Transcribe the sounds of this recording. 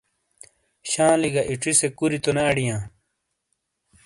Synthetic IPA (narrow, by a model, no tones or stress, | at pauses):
ɕãːliɡaʔiʈ͡ʂisekuɾit̪onɐːɽijãː